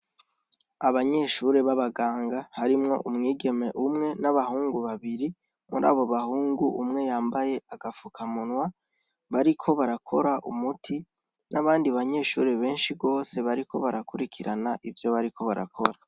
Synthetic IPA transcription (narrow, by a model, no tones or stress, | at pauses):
aβaɲe̞ːʃuːɾe̞βaβaɡaːŋɡahaɾimŋo̞̰ʔumŋiːɡe̞me̞ʔumŋe̞naβahuːŋɡuβaβiɾi | muɾa̰ːβo̞βahuːŋɡuʔumŋe̞jaːmbaje̞aɡafukʰamunŋwa | βaɾikʰo̞βaɾakʰo̞ɾaʔṵmutʰi | nʔaβaːndiβaɲe̞ːʃuːɾe̞βe̞ːnʃiɡo̞ːse̞βaɾikʰo̞βaɾakuɾikʰiɾanaʔivjo̞βaɾikʰo̞βaɾa̰kʰo̞ɾa